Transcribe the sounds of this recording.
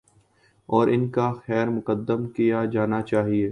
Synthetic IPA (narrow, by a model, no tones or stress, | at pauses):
ɔːɾʔɪnkaxɛːɾmʊkəd̪ːəmkijad͡ʒaːnat͡ʃaːɦieː